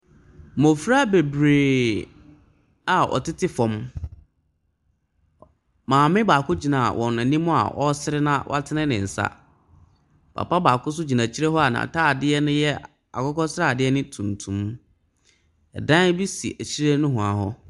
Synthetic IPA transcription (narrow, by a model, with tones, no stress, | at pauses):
mɔ̃˨fɾa˦be˨bɾeː˨ | a˨ɔ̰˨tɪ˦tʰɪ˦fɔ̃˨m | mãː˨mɪ̃˦ba˨kʰʊ˦d͡ʑi˨nã̰˨wʔɔ̰̃˨nã˨nĩ˦mʊ̃˦a̰˨ʔɔ˦sɪ˦ɾɪ˦nã˦wʔa˦tʰɪ˦nɪ̃˦nɪ̃˨n̩˨sa̰˦ | pʰa̰˨pa˦baː˨kʰʊ˦s̬ʊ˦d͡ʑi˨nã˨t͡ɕʰi˦ɾe˦ɦɔ˦a˨nã̰˨tʰaː˦˨dɪ˦ɛ˦nʊ̃˦jɛ˦ | a̰˨kɔ˦kɔ˦sɪ˦ɾa˦˨dɪ˦ɛ˦nɪ̃˦tʰũ˨ntʰũ˨m | ɛ˨dã˦n˦bi˦sḭ˨ʔæ˨t͡ɕʰi˦ɾe˦nʊ̃˦ɦʊ̃˨a˨hɔ˦